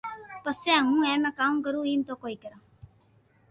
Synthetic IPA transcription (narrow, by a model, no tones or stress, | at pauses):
pəsɛ̃ːɦũːɛ̃ːmɛ̃ːkaːmk̬əɾũːiːmt̪oːkoːiːkəɾãː